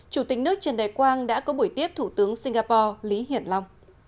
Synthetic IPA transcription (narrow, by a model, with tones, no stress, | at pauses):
t͡ɕu˧˩t̪ï˨˩k̟nɨ˦˥ək̚t͡ɕe˧˩nɗaː˨˩jkwaː˧nɗa̰ː˧˥kɔ˨˦ɓu˧˩əjt̪i˦˥əp̚t̪ʰu˧˩t̪ɨ˨˦əŋsi˧ŋ̟ɣaː˧pɔ˧li˨˦ɦḭ˧˩˨ənla˧wŋ͡m